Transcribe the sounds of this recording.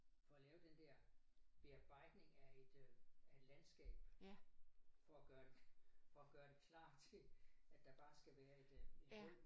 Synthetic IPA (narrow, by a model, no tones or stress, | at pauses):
fɒ̽ælɛːʊd̥end̥ɛɐ̰b̥e̝ɑ̈ːb̥ɑ̈ɪ̰d̥ne̝ŋæe̝d̥æe̝d̥lænsɡ̥ɛ̰ːb̥ | fɒ̽æɡ̥ɶːɐd̥efɒ̽æɡ̥ɶːɐd̥e̝kʰlɑ̰̈ːt͡sʰe̝læd̥ɑ̈b̥ɑ̈ːsɡ̥æʋæːɐe̝d̥e̝d̥hɔl̰